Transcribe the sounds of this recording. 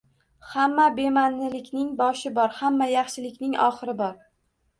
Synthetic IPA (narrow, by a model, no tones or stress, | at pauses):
hamːabe̞manːɪlɪkʲnɪŋbɒʃɪbɒɾhamːajɑχʃɪlɪkʲnɪŋʔɒ̰χɨɾɪbɒɾ